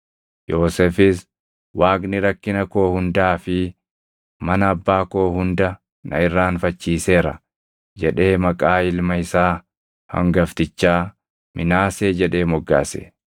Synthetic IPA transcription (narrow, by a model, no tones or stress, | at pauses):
jo̞ːsɛfɪs | waːknɪɾɐkːɪnɐko̞ːhʊnd̪aːfɪ | mɐnɐːbːaːko̞ːhʊnd̪ɐ | nɐɪrːaːnfɐt͡ʃːiːse̞ːɾɐ̰ | d͡ʒɛᶑe̞ːmɐkʼaːɪlmɐɪsaː | hɐ̰ŋɡɐft̪ɪt͡ʃːaː | mʔɪnaːse̞ːd͡ʒɛᶑe̞ːmɔɡːa̰ːsḛ